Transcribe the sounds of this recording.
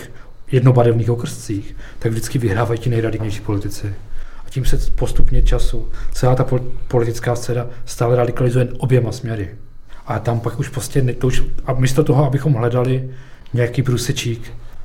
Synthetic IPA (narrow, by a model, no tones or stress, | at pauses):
xjɛdno̞baɾɛvniːxokr̩st͡siːxt̪aɡvʒdɪt͡skɪvɪɦɾaːvajiːcɪnɛjɾadɪɡɲɛjʃiːpo̞lɪt̪ɪt͡sɛaciːmsɛpo̞st̪upɲɛt͡ʃasut͡sɛlaːt̪appo̞lɪt̪ɪt͡skaːst͡sɛːnast̪aːlɛɾadɪkalɪzujɛnʔo̞bjɛmasmɲɛɾɪ | ʔat̪ampakuʃpɾoscɛnt̪ouʃamiːst̪ot̪oɦoabɪxo̞mɦlɛdalɪ | ɲɛjakiːpɾuːsɛt͡ʃiːk